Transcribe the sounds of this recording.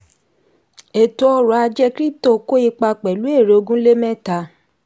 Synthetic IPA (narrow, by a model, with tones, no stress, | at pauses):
e˨to˨ɔ˧ɾɔ˨a˧d͡ʒɛ˦kɾi˦to˦˨ko˦i˧k͡pa˧k͡pɛ˨lu˨˦e˦˨ɾe˨o˧ɡũ˦le˦mɛ̃˦ta˧